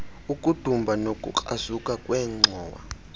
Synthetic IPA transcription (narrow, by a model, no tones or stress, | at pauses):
ukʼud̥ʱumbʱanokʼṵǃʼaz̥ukʼakʼwɛːŋ͡ǀʱɔːwa̰